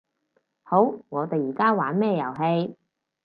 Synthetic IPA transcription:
ho˨˥wŋɔː˨˧t̪e˨jiː˨˩kaː˥waː˨˥nmɛː˥˩jɐ˨˩wɦe˧j

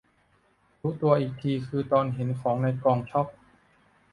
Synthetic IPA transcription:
ɾuː˦˥t̪u˧ɐʔiː˨˩k̚t̪ʰiː˧kʰɯː˧t̪ɔː˧nɦe˩˦nkʰɔː˩˦ŋna˧jkɔː˧ŋt͡ɕʰɔ˥˩p̚

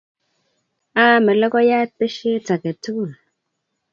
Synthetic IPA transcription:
aː˦mɛ˨lɔ˦kɔ˦ja˦pe˦ʃe˦t͡sa˨ke˨tu˦u˦˨l

